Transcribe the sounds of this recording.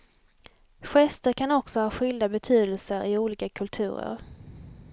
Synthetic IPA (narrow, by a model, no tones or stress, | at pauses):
ɧɛst̪əɾkʰanɔksɔhɑːɧʏld̪abɛt̪ʰyːd̪əlsəɾʔɪuːliːkakʰɵlt̪ʰʉ̟ːɾə̰ɾ